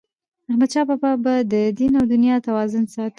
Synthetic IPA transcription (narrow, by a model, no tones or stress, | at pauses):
ahmad̪ʃɑbɑpabad̪əd̪inawd̪ʊnjɑt̪awɑzʊnsɑt̪